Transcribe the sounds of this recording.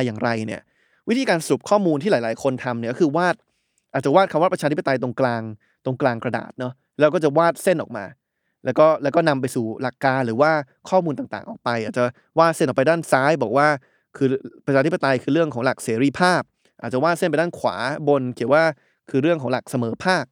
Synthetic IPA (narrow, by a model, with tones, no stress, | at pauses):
a˧jaː˨˩ŋɾa˧jnḭ˥˩ɐ | wi˦˥t̪ʰiː˧kaː˧nsa˧ɾu˨˩p̚kʰɔː˥˩muː˧nt̪ʰiː˥laː˨˦jlaː˨˦jkʰo˧nt̪ʰa˧mni˥˩kkʰɯː˧waː˥˩t̪̚ | ʔa˨˩t͡ɕa˨˩waː˥˩t̪̚kʰmwa˥˩pɾʰaː˧t̪ʰi˥p̚ːa˧t̪a˧jt̪̬o˧ŋklaː˧ŋ | t̪o˧ŋklaː˧ŋkɾa˧da̰ː˨˩t̪̚nɔ˦˥ | lɛː˦˥wkɔː˥˩t͡ɕa˨˩waː˥˩t̪̚se˥˩nʔɔ̰ː˨˩k̚maː˧ | lɛː˦˥wkɔː˥˩lɛː˦˥wkɔː˥˩na˧mp̬a˧jsuː˨˩la˨˩kːaː˧nɾɯː˩˦waː˥˩ | kʰɔː˥˩mu˧nt̪a˨˩ŋt̪a̰ː˨˩ŋʔɔ̰ː˨˩k̚pa˧jʔaː˨˩t̪̚t͡ɕa˨˩ | waː˥˩t̪̚se˥˩nʔɔ˨˩pa˧jdaː˥˩nsaː˦˥jbɔː˨˩k̚waː˥˩ | kʰɯː˧pɾa˧t͡ɕʰaː˧t̪ʰi˥pa˧t̪a˧jkʰɯː˧ɾɯ˥˩əŋkʰɔː˩˦ŋla˨˩k̚seː˩˦ɾiː˧pʰaː˥˩p̚ | ʔaː˨˩t͡ɕa˨waː˥˩t̪̚se˥˩pa˧jdaː˥˩kʰwa̰ː˩˦bo˧nkʰi˨˩˦əwaː˥˩ | kʰɯː˧ɾɯ˥˩əŋkʰɔː˩˦ŋla̰˨˩k̚sa˧mɤː˩˦pʰaː˥˩p̚